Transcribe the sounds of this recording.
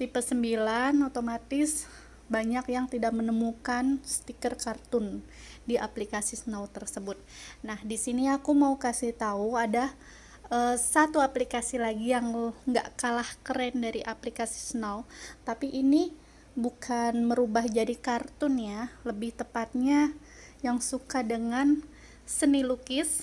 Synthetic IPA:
sipəsəmbilanot̪omat̪ɪs | baɲakjaŋt̪idak̚mənəmukansə̥t̪ikərkart̪ʊn | diʔaplikasisnawt̪ərsəbʊt̪̚nahdisiniakumaukasɪht̪auada | əsat̪uaplikasilaɡijaŋŋɡa̰ʔkalahkəɾɛndaɾiʔaplikasi̥sənawt̪apiʔːni | bukʰanməɾubahd͡ʒadikart̪ʊnjaləbɪht̪əpat̪̚ɲa | jaŋsukadəŋan | sənilukɪs

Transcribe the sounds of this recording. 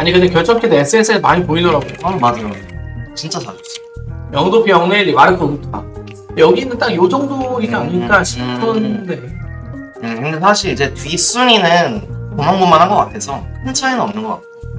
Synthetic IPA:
aɲikɯdekjʌɭt͡ɕ͈ʌmkʰidees͈ʰɯes͈ʰɯemaɲipoidʌɾaɡoad͡ʑat͡ɕint͡ɕ͈asʰa̰ɕʰʌs͈ojʌŋdopʰijʌŋeɾimaɾɯkʰʌnutʰt͈a̰ | jʌɡinɯnt͈akjod͡ʑʌŋdoid͡ʑaɲiɲik͈aɕʰi̥pʰɯnde | jekɯnde̞s̬ʰaɕʰiɾid͡ʑe̞tis͈uɲinɯnkomaŋɡomːanɦanɡʌk͈atʰe̞sʰʌpʰɯnt͡ɕʰaenɯnʌmnɯnɡʌk͈a̰t̚ʰe

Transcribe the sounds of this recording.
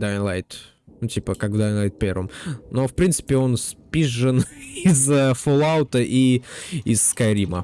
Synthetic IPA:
d̪anlˠajt̪ | nʊtʲipəkaɡd̪ajnlˠajt̪̚pʲeɾvəmnofpɾʲint̪sɨ̥pʲɪo̞nspʲiʐːɨnɪzəfolˠaʊt̪əʔiɪsːkɐɾʲimə

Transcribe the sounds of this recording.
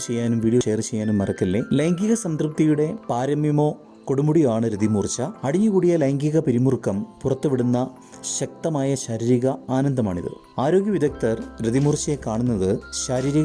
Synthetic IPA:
t͡ɕe̞jːaːnumʋiːɽijɐeːrt͡ɕe̞jːaːnumːɐrɐkːilːelɐjŋɡiɣɐsɐnd̪rɨp̚t̪ijuɽe̞paːɾɐmjɐmo̞ː | ko̞ɽumuɽijaːɳɨɾid̪imuːrt͡ɕːɐɐɽiɲːuɣuːɽijɐlɐjŋɡiɣɐpɐɾimurkɐmpurɐt̪ːuʋiɽunːɐ | ɕɐk̚t̪ɐmaːjɐɕɐɾiːɾiɣɐaːnɐnd̪ɐma̰ːɳḭðɨ̰ | aːɾo̞ːɡjɐʋid̪ɐk̚t̪ɐrɾed̪imuːrt͡ɕɐjekaːɳunːɐðɨɕɐɾiːɾiɣ

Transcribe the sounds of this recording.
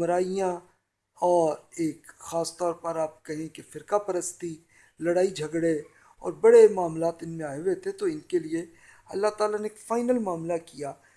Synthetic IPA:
mɾaːijã | ɔːɾeːkxaːst̪ɔːɾpɐɾaːp̚kɐɦẽkefɪɾkapɐɾəst̪i | lɐɽaːid͡ʒʱɐɡɽe | ɔ̰ːɾbɐɽemaːmlaːt̪ɪnmẽaːeʊet̪ʰet̪oɪnkelie | ɐ̰lːat̪aːlaneːkfaːɪnəlmaːmlakijaː

